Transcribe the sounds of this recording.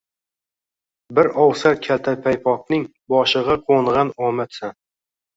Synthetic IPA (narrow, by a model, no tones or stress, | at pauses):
bɪɾɒwsaɾkʲʰalt̪ʰapʰajpʰɒk̚nɪŋ | bɒʃɨʁɑqʰoɴʁɑnɒmat̪san